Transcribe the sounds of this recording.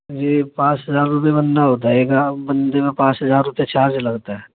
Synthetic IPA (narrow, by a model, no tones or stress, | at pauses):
jeːpãːt͡ʃɦəzaːɾːʊp̬jebɐnːaɦoːt̪aeːɡabɐnd̪emẽpãːt͡ʃɦɐzaːɾːʊpijat͡ʃʰaːselɐɡt̪aɦɛː